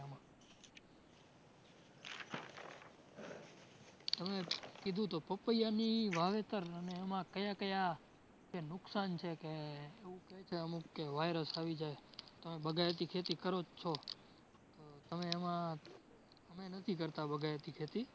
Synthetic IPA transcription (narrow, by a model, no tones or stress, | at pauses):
mã | t̪əmekid̪ʱũt̪opəpəjaniʋaʋet̪əɾəneːmãkəjakəja | d͡ʒenʊksant͡ʃʰekeːʋũkəet͡ʃʰeəmũkːeʋajɾəsaʋid͡ʒaet̪əmebəɡʱajet̪ikʰet̪ikəɾot͡ʃʰo | t̪ot̪əmeːmã | əmenət̪ʰikəɾt̪abəɡʱaet̪ikʰet̪i